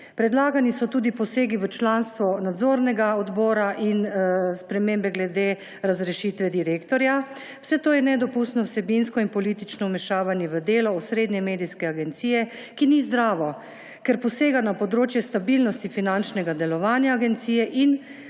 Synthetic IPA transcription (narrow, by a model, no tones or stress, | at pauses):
pɾɛd̪laːɡanisɔt̪uːd̪ipɔseːɡiʋət͡ʃlanst̪ʋɔnad̪zoɾnɛɡaɔd̪bɔːɾaʔinspɾɛmeːmbɛɡlɛd̪eː | ɾazɾɛʃit̪ʋɛd̪iɾekt̪ɔɾja | wsɛt̪oːjɛnɛd̪ɔpust̪nɔwsɛbinskɔinpɔliːt̪it͡ʃnɔwmɛʃaːʋanjɛʋəd̪eːlɔusɾeːd̪nɛmeːd̪iskɛaɡɛnt̪siːjɛ | kinizd̪ɾaːʋɔ | kɛɾpɔseːɡanapɔd̪ɾoːt͡ʃjɛst̪abilnɔst̪ifinant͡ʃnɛɡad̪ɛlɔʋaːnjaːɡɛnt̪siːjɛʔin